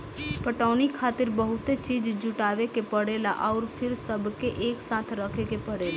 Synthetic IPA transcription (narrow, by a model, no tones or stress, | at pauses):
pəʈaːnikʰaːt̪ɪɾbəɦʊt̪et͡ʃiːd͡ʒd͡ʒʊʈaːʋekepəɽelaʔɔʊɾpʰɪɾsəbkeʔeːksaːt̪ʰɾəkʰekepəɽeːla